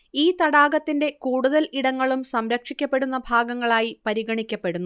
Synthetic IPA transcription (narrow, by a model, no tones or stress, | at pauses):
iːt̪ɐɽaːɡɐt̪ːinde̞kuːɽuðɐliɽɐŋːɐɭumsɐmɾɐkʂikʲːɐpːe̞ɽunːɐbʱaːɡɐŋːɐɭaːjipɐɾiɡɐɳikʲːɐpːe̞ɽunːu